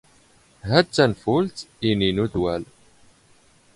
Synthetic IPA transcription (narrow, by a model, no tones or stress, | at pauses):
ɦæd̪t͡sːænfult̪ininuðwæl